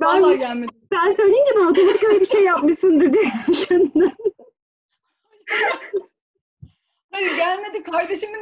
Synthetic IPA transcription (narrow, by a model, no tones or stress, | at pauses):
bænˠaælʲmebænsø̞jlʲeind͡ʒɛbɛnot̪ʰo̞mat̪ikøjlʲɛbiʃejːapmɯʃsɯnd̪ɯɾd̪ijmsin | ejiɟælʲme̞d̪ikʰaɾd̪e̞ʃimi